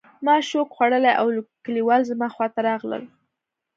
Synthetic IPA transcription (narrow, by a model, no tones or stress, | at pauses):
mɑʃokxwaɽəlajʔawkəliwɑlzmɑxwɑt̪aɾɑɣlə̰l